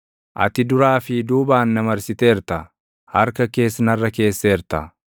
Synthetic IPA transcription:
ʔɐ̰t̪ɪd̪ʊɾaːfɪd̪uːbaːnːɐmɐɾsɪt̪eːɾt̪ɐ | hɐɾkɐke̞ːsnɐrːɐke̞ːsːeːɾt̪ɐ

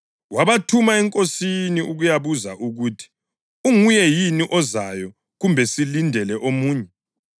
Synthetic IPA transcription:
waβatʰumaɛŋkʼosiniuɣujaβuzaʔuɣutʰi̥ | uŋujɛjiniʔɔzajɔ | ɣumbʱɛsilindʱɛlɛʔomuːɲɛ

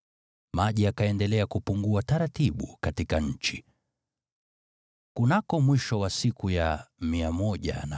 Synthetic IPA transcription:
maʄiakaɛndɛlɛakupuŋɡuataɾatiɓṵkatikaɲ̩t͡ʃi̥ | kunakɔmwiʃɔwasikujamiamɔʄa̰na

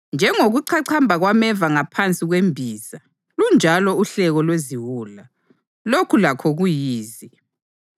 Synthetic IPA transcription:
nd͡ʒʱɛŋoɣuǀʰaǀʰambʱaɣwamɛvaŋapʰant͡sʼiɣwembʱiːza | lund͡ʒʱalɔuɬɛɣɔlweziwuːla | lokʰulakʰɔɣujiːzi

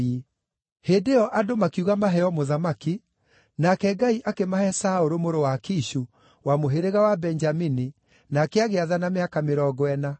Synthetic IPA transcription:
i | hedeɔʔadomakiuɣamaɦɛɔmoðamaki | nakɛɡaiʔakemahɛsaoɾomoɾowakiʃu | wamoɦeɾeɣawabɛnd͡ʒamini | nakɛaɣeaðanameakameɾɔɡwɛna

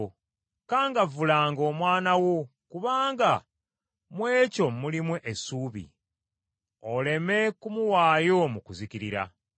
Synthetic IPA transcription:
kaːŋɡavulaːŋɡo̞ːmwaːnawokuβaːŋɡa | mwe̞ːco̞mulimweʔesuːβḭ | ole̞me̞kumuwaːjo̞mukuziciɾiɾa̰

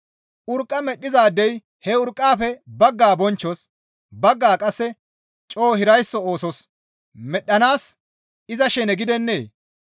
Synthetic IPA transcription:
ʔʊɾkʼːɐmɛɗːɪzaːd̪ːɛj | hɛʊɾkʼːaːfɛbɐɡːaːbɔnt͡ʃːɔs | bɐɡːaːkʼɐsːɛ | t͡ʃʼo̞ːhɪɾɐjsːɔo̞ːsɔs | mɛɗːɐnaːs | ɪzɐʃɛnɛɡɪd̪ɛnːeː

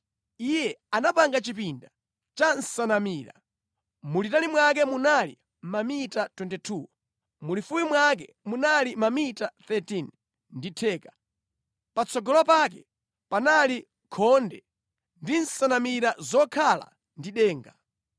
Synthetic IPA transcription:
ijɛanapaŋɡat͡ʃipinda | t͡ʃan̩sanamiːɾa̰ | mulitanimwak̬ɛmunalḭ | mamitatwɛntɛtʰuː | mulifuwimwak̬ɛ | munalimamitaθɛtin | nditʰɛːkḁ | pat͡sʰɔɡɔlapak̬ɛ | panali | kʰɔndɛ | ndinsanamiɾazɔkʰala̰ | ndiɗɛːŋɡa

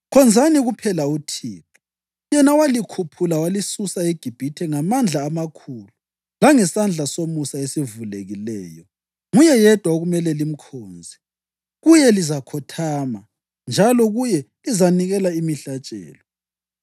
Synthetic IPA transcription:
kʰɔnd͡zʱaniɣupʰɛlautʰiːpʰu̥ | jɛnawalikʰupʰulawalisusaeɡ̥ʱib̥ʱitʰɛŋamand͡ɮʱaːmakʰuːlu | laŋɛsand͡ɮʱasomusaesivuleɣilɛːjɔ | ŋujɛjɛd̥ʱwaoɣumɛlɛlim̩kʰoːnd͡zʱi | ɣujɛlizakʰɔtʰaːma | nd͡ʒʱalɔɣujɛ | izaniɣɛlaimiɬat͡ʃʼɛ̰ːlɔ

